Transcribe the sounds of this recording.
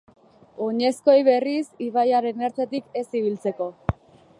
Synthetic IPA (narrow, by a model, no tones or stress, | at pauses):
o̞ɲe̞sko̞jβe̞risiβajaɾe̞neɾt͡set̪ike̞siβ̞ilt͡se̞ko̞